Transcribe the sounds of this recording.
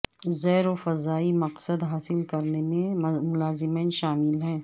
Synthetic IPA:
zɛːɾofɐzaːimɐqsəd̪ɦaːsɪlkɐɾnemẽmʊlaːzɪmeːnʃaːmɪlɦɛ̃ː

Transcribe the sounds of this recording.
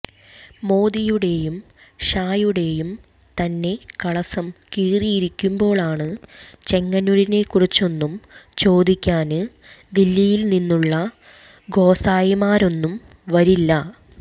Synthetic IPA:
mo̞ːd̪ijuɽe̞jum | ɕaːjuɽe̞jum | t̪ɐnːe̞kɐɭɐsɐmkiːrijiɾikʲːumbo̞ːɭaːɳɨt͡ɕe̞ŋːɐnuɾine̞kurit͡ɕːo̞nːumt͡ɕo̞ːd̪ikʲːaːnɨ | d̪ilːijilninːuɭːɐ | ɡo̞ːsaːjimaːɾo̞nːum | ʋɐɾilːɐ

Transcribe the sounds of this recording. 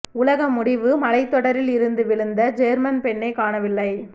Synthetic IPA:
ʊlɐɣɐmʊɽɪʋɯmɐlɐɪt̪ːɔɽɐɾɪlɪɾɯnd̪ɯʋɪɭɯnd̪ɐd͡ʒɛɾmɐnpɛɳːɐɪkaːɳɐʋɪlːɐɪ

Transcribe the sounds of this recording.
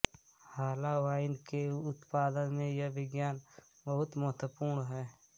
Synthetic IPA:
haːlaʋaːɪnkeʊt̪paːd̪ənmẽjɐʋɪɡjaːn | bəɦʊt̪məɦt̪əpuːɾɳɦɛː

